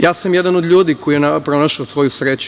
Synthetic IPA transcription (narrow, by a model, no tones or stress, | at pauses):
jaːsamjed̪anod̪ʎuːd̪iko̞ijenapɾo̞naʃaosʋo̞jusɾeːt͡ɕu